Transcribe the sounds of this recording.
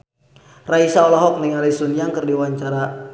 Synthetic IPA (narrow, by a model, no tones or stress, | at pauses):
raisaolɔɦɔk̚niŋalisunjaŋkɨrdiwaɲt͡ʃaɾa